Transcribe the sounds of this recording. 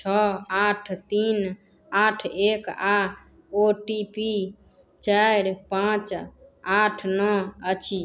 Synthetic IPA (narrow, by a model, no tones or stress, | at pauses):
t͡ʃʰɔaʈʰt̪in | aʈʰeka | oʈipi | t͡ʃaɾpãt͡ʃaʈʰnɔət͡ʃʰi